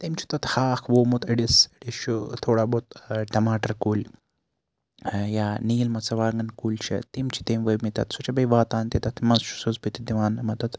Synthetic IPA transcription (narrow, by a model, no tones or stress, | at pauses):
t̪imt͡ʃʰi̥t̪ɐt̪haːkʰʋoːmut̪iɖisiɖiʃut̪ʰoːɽaːbot̪̚ʈɐmaːʈɐɾkuːlʲ | jaːniːlmɐt͡sɐʋaːŋɡɐnkuːlʲt͡ʃʰɐ̰t̪imt͡ʃʰi̥t̪imʋɐmit̪ɐt̪sut͡ʃʰɐbɐjʋaːt̪aːnt̪it̪ɐt̪ʰmɐnzt͡ʃu̥suzbɨt̪id̪iʋaːnɐmɐt̪ɐt̪